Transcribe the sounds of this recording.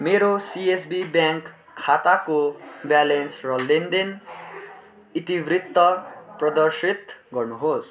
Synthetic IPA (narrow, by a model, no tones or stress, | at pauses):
meɾosiesbibjãŋkʰː | at̪akobjalensrʌlenɖen | it̪ibrit̪ːʌprʌd̪ʌrsit̪ɡʌrnuɦos